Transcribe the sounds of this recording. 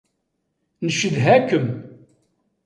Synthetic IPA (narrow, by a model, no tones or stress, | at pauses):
nəʃəðɦækəm